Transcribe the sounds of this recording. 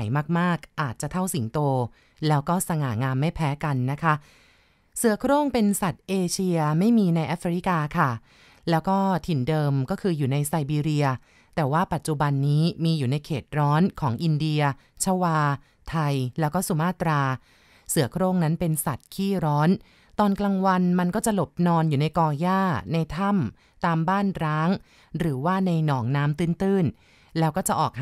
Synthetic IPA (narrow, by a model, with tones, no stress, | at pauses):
jmaː˥˩k̚maː˥˩k̚ʔaː˨˩t̪̚t͡ɕa˨˩t̪ʰa˥˩wsi˩˦ŋt̪oː˧ | lɛː˦˥wkɔː˥˩sa˧ŋaː˩˦ŋaː˧mːa˥˩jpʰɛː˦˥ka˧nːa˦˥kʰa˦˥ | sɯ˨˩˦ɐkʰɾoː˥˩ŋpe˧nsa˨˩t̪̚ʔeː˧t͡ɕʰi˧ɐma˥˩jmiː˧na˧jʔa˦˥fɾi˦˥kaː˧kʰa˥˩ | lɛː˦˥wkɔː˥˩t̪ʰi˨˩ndɤː˧mkɔː˥˩kʰɯː˧juː˨˩na˧jsa˧jbiː˧ɾi˧ɐ | t̪ɛː˨˩waː˥˩pa˨˩t̪̚t͡ɕu˨˩ba˧nːiː˦˥miː˧juː˨˩na˧jkʰeː˨˩t̪̚ɾɔː˦˥nkʰɔː˩˦ŋʔi˧ndi˧ɐ | t͡ɕʰa˧waː˧ | t̪ʰa˧jlɛː˦˥wkɔː˥˩su˨˦maː˥˩t̪ɾaː˧ | sɯ˨˩˦ɐkʰɾoː˥˩ŋna˦˥npe˧nsa˨˩t̪̚kʰiː˥˩ɾɔː˦˥n | t̪ɔː˧nklaː˧ŋwa˧nma˧nkɔː˥˩t͡ɕa˨˩lo˨˩p̚nɔː˧njuː˨˩na˧jkɔː˧jaː˥˩na˧jt̪ʰa˥˩m | t̪aː˧mbaː˥˩nɾaː˦˥ŋ | ɾɯː˩˦waː˥˩na˧jnɔː˩˦ŋnaː˦˥mt̪ɯː˥˩nt̪ɯː˥˩n | lɛː˦˥wkɔː˥˩t͡ɕa˨˩ʔɔː˨˩k̚h